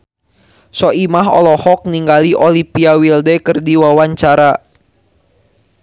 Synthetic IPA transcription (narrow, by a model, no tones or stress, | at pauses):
sɔʔimaɦɔ̰lɔhɔk̚niŋɡaliʔolipiawildɛkɨrdiwawaɲt͡ʃaɾa